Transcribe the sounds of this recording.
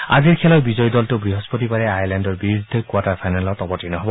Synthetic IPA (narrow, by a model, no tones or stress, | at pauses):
a̰ziɹkʰɛlɔjbizɔjdɔltobɹiɦɔspɔtibaɹɛajaɹlandɔɹbiɹid̪ʱːɔkwatapʰajnalɔt̪ɔbɔtinɔɦɔbɔ